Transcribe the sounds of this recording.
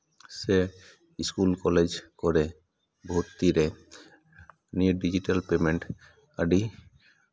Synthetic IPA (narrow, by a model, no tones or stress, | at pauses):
se | iskulkɔled͡ʒkɔɾɛ | bʱot̪ːiɾɛ | niɖid͡ʒiʈalpemeɳʈ | aɖi